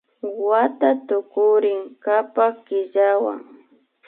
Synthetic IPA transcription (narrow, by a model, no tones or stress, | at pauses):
wat̪at̪ʊkʊɾɪŋkapakɪʎawa̰ŋ